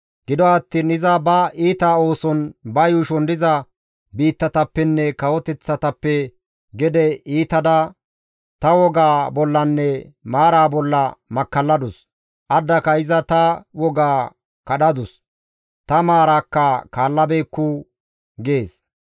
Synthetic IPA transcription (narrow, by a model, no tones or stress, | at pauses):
ɡ̥ɪd̪ɔɐt̪ːiːnɪzɐbɐiːt̪aːo̞ːsɔnbɐjuʃɔnd̪ɪzɐ | biːt̪ːɐt̪ɐpːɛnːɛkɐwɔt̪ɛt͡sːɐt̪ɐpːɛ | ɡɛd̪ɛiːt̪ɐd̪ɐ | t̪ɐwɔɡaːbɔlːɐnːɛmaːɾaːbɔlːɐmɐkːɐlːɐd̪ʊs | ʔɐd̪ːɐkɐɪzɐt̪ɐwɔɡaː | kɐɗɐd̪ʊs | t̪ɐmaːɾaːkːɐkaːlːɐbeːkːʊ | ɡe̞ːs